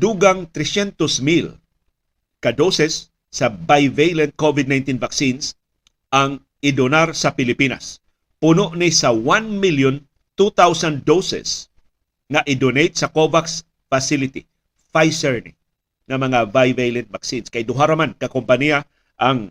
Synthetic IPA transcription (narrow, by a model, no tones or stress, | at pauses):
d̪uɡaŋt̪ɾɛsjɛnt̪osmil | kɐd̪owsɛsː | ɐvajvejlɛnt̪̚kovɪd̪̚najnt̪invak̚sins | ʔaŋ | ɪd̪onaɾsɐpɪlɪpina̰s | pʊnoʔnisɐwanmiljon | t̪ut̪awsand̪owsɛ̰s | ŋɐʔɪd̪onejt̪̚sɐkovaks | fasɪlɪt̪ḭ | fajsɛɹnɪ | ŋɐmɐŋavajvejlɛnt̪̚vaksinskɐjd̪ʊɦaɾɐmankɐkompɐnia | ʔaŋ